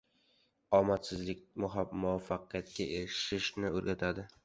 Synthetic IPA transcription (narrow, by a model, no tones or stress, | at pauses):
ɒmat̪sɪzlɪk̚ʲmʊɦamʊvafːaqijat̪kʲaʔeɾɪʃɪʃnɪoɾɡʲat̪ʰad̪ɪ